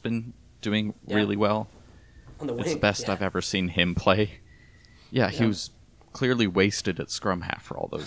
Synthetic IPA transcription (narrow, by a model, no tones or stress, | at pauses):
b̥ɨ̃n | d̥ʉɪ̃ŋɹɪlˠiwɛlˠ | ɨsəbɛstaɪvɛvə˞sĩnɪ̃mpʰl̥eɪ | jæhiwʌz̥ | kʰl̥ɪɹliweɪstɨɾɨtskɹʌ̃mhæ̰ffə̰˞ɔ̰lˠðo̰ʊ